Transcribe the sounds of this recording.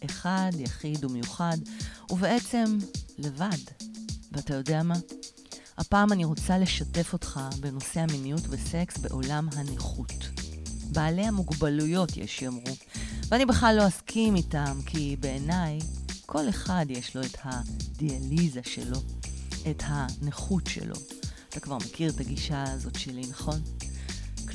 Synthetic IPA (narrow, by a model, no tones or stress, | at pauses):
ʔe̞χadjaχidume̞juχaduve̞ʔe̞t͡se̞mle̞vadveatajo̞deama | hapaːmaniʁo̞t͡sale̞ʃate̞fo̞tχabe̞no̞se̞haminijutvese̞ksbe̞̰ʔo̞lamɦaneχut | baːle̞hamuɡbalujo̞tjḛʃjomʁu | veanibe̞χlalːo̞askʰimitamkʰibe̞enajkʰo̞le̞χadjeʃlo̞ethadializaʃḛlo̞ethaneχutʃḛlo̞̰at̪akvaʁmekiʁetaɡiʃazo̞tʃelinaχo̞n